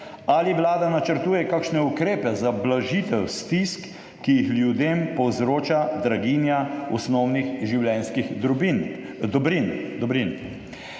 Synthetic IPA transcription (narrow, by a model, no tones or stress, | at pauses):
aliwlaːd̪anat͡ʃəɾt̪uːjɛkakʃnɛukɾeːpɛzablaʒit̪ɛwst̪iskː | ijixljud̪eːmpɔwzɾoːt͡ʃad̪ɾaɡiːnjaɔsnɔwnixʒiwlɛnskixd̪ɾubin | d̪bɾind̪ɔbɾin